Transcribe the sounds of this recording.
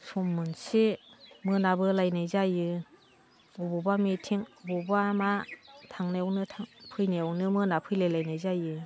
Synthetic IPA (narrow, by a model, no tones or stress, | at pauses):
sɔmːɯnsimɯnabɯlajnajzajɯ | ubɔbamitʰiŋbɔbamatʰaŋneɔwnɯtʰapʰɯjneɔwnɯmɯnapʰɯjlelajnajzajɯ